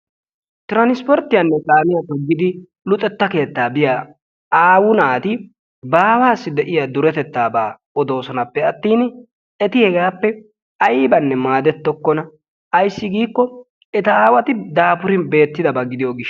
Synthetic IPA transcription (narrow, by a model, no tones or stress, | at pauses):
t̪ɪɾɐnɪspɔɾt̪ːɪjɐnːɛkʼaːmɪjɐpɛɡːɪd̪ɪ | lʊt̪ʼɛt̪ːɐke̞ːt̪ːaːbɪja | aːwʊnaːt̪ɪ | baːwaːsːɪd̪ɛʔɪjad̪ʊɾɛt̪ɛt̪ːaːbaː | ɔd̪o̞ːsɔnɐpːɛɐt̪ːiːn | ɛt̪ɪhɛɡaːpːɛ | ɐjbɐnːɛmaːd̪ɛt̪ːɔkːɔnɐ | ɐjsːɪɡiːkːɔ | ɛt̪ɐaːwɐt̪ɪd̪aːpʊɾɪnbe̞ːt̪ːɪd̪ɐbɐɡɪd̪ɪjɔɡɪʃ